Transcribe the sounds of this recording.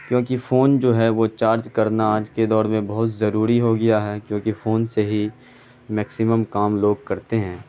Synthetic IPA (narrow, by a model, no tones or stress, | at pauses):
kjõːkifoːnd͡ʒoːɦɛʋot͡ʃaːɾd͡ʒkɐɾnaaːd͡ʒked̪ɔːɾmẽbɐɦʊt̪zɐɾuːɾiɦoɡɐjaɦɛkjõːkifoːnseɦi | mɛːksɪməmkaːmloːɡ̚kɐɾt̪eɦɛ̃ː